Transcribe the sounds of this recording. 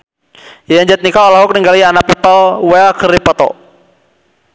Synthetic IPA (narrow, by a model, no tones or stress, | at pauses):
jaaɲd͡ʒɛt̪̚nikaɔlaɦuk̚niŋɡalianapipəlwɛkəɾipɔt̪ɔ̰